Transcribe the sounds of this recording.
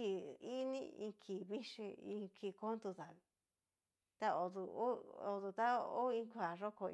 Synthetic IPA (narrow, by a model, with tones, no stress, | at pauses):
i˧˨i˦nĩ˦ḭ̃˧kʰi˨βi˦ʂi˧ĩ˧kʰi˧˨ko˦nd̪u˧ða˨ | t̪a˦o˨ðu˧o˦o˧ðu˧t̪a˦o˦ĩ˧kʷa˨ʐo˦kʰo˧